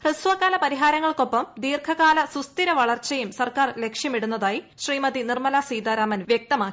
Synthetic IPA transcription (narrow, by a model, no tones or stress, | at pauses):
resʋɐkːaːlɐpɐɾiɦaːɾɐŋːɐɭko̞pːɐmd̪iːrkʰɐɣaːlɐsust̪iɾɐʋɐɭɐrt͡ɕːɐjumsɐrkaːrle̞kʂjɐmiɽunːɐðaːji | ɕriːmɐðinirmɐlaːsiːd̪aːɾaːmɐnʋjek̚t̪ɐmaːkːi